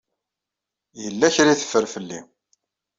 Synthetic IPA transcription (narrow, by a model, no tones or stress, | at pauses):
jəlːæçɾiθə̥fːəɾfəlːḭ